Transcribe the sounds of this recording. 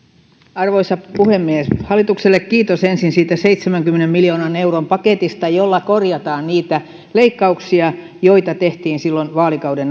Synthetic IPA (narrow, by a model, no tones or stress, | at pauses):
ɑrʋoisɑpuhemːieshɑlːˑit̪ukselːekkiːt̪osensinsiːt̪æseit̪semæŋkymːenemmiljo̞ːnɑne̞urompɑket̪ist̪ɑjolːɑkorjɑt̪ɑːnniːt̪æ | leikːɑuksiɑ | jo̞jt̪ɑt̪eht̪iːnsilːonʋɑːlikɑwden